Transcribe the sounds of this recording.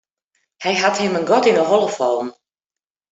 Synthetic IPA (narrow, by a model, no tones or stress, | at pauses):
hɛjɦathɪmənɡɔtɪnərɔlˠəfɔːn